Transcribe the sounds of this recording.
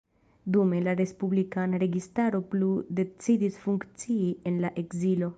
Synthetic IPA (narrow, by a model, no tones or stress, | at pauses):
dume̞laɾe̞spublikanaɾe̞ɡistaɾo̞plude̞t͡sidisfuŋkt͡siie̞nlaʔe̞kzilo̞